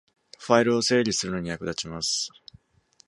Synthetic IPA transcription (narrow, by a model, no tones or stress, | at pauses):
ɸaiɾɯ̟o̞se̞ːɾʲisɨɾɯ̟no̞ɲ̟ijakɯ̟d̪at͡ɕimasɨ̥